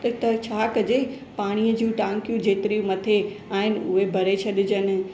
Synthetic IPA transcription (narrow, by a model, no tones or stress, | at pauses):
t̪ɐt͡ɕʰaːkəd͡ʑeː | paːɽ̃iəd͡ʑũːʈãːŋkjũd͡ʑeːt̪ɾijũmɐt̪ʰeaːɦɪnɪ̆ʊɦebʱɐɾet͡ɕʰɐɗɪ̆d͡ʑənɪ̆